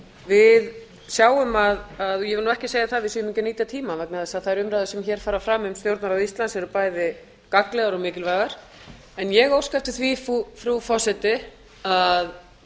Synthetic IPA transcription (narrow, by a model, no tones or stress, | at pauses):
vɪð | sjaːwʏmaðaðjɛvɪlnuɛhcɪseːjaθaðvɪðsiːʏmɪcɪɾniːt̪at̪ʰiːmavɛknaðɛsaðθaðɾʏmɾajðɪsɛmçɛːɾ̥faːɾafɾaːmʏmst̪jowɾt̪naɾawist̪lansɛɾʏpaːjðɪ | kaklɛɣaɾɔmɪːcɪlvaːjɣaɾ̥ | ɛnjɛɣowskajft̪ɪθvifufɾufɔsɛt̪ɪ | að